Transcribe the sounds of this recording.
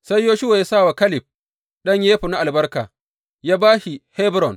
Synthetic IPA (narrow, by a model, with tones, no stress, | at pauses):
sa˦jːoː˦ʃʊ˦wa˨ja˦saː˦˨wa˨kɐ˦lɪ˨b̚ | ɗɐ˦ɲjeː˦ɸu˨na˦ʔa˨lbɐ˦rka̰ː˨ | jaː˦baː˦ʃi˨hɛ˦bɾɔ˨n